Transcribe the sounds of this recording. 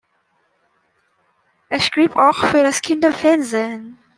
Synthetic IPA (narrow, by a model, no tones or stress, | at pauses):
ʔɛʃɡ̥ʁ̥iːpaʊxfyːɐɾaskʰɪndɐfɛɐnzeːn